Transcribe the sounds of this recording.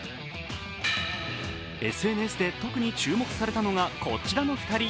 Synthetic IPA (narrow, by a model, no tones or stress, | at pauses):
e̞sɨe̞ːnɯe̞sɨd̪e̞t̪o̞kɯ̟ɲ̟it͡ɕɨːmo̞kɯ̟̥saɾe̞t̪ano̞ɡakʰo̞̰t͡ɕiɾano̞ɸi̥k̪aɾʲi